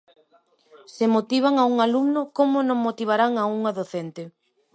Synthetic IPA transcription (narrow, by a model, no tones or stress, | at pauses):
semot̪iβ̞aŋauŋaluɡnʊkomʊnõŋmot̪iβ̞aɾaŋauŋaðoθent̪ɪ